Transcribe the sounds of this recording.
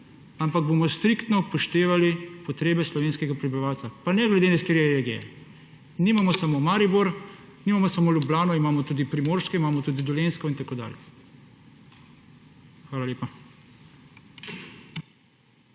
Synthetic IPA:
ampaɡ̚bomɔst̪ɾikt̪nɔpɔʃt̪eːʋalipɔt̪ɾeːbɛslɔʋeːnskɛɡapɾɛbiʋaːwt̪sapanɛɡlɛd̪enast̪eɾɛɾeɡijɛ̰ | niːmamɔsamomaːɾibuɾ | niːmamɔsamoljublaːnɔimaːmɔt̪uːd̪ipɾimoːɾskɔimaːmɔt̪uːd̪id̪ɔlenskɔint̪akoːd̪a̰ːljɛ | xʋaːlaleːpa

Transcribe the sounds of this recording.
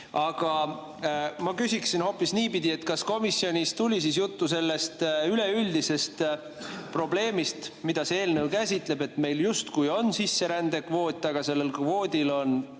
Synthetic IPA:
ɑɡ̥ɑ | mɑkysʲiksinho̞pːˑisniːpid̪̥ie̞t̪kɑsko̞misːio̞nʲist̪ulʲisis̬jut̪ːuse̞lːe̞st̪yle̞yld̪ise̞st̪ | pro̞ble̞ːmist̪mid̪ɑsee̞ːlnewkæsʲit̪le̞be̞t̪me̞jljust̪kujo̞nsisːe̞ɾænd̪̥e̞kvo̞ːt̪ʲːˑɑɡ̥ɑse̞lːelkvo̞ːd̪̥ʲilo̞n

